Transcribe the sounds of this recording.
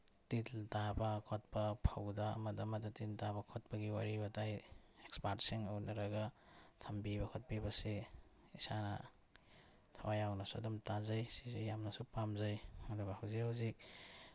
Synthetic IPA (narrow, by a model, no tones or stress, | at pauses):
tittabɐkʰɔt̚pɐpʰɐwdɐɐ̰mɐdɐmɐdɐtiltabɐkʰɔt̚pɐɡiwaɾibɐtajekspaɾtsiŋownɐɾɐɡɐtʰɐmbibɐkʰɔt̚pibɐse | isanɐ̰ | tʰawajawnɐsudumtazajsizejamnɐsupamzajɐduɡɐhawzikawzik̚